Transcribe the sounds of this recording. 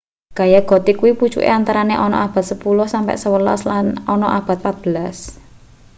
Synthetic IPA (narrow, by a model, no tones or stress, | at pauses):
ɡ̥ajaɡ̥ɔ̤t̪ikuwipu̥t͡ʃṵʔḛant̪aɾaneʔɔnɔ̰ʔab̥a̤t̪səpulʊhsampɛ̰ʔsəwəla̰slanɔnɔʔab̥a̤t̪̚pat̪̚b̥ə̤las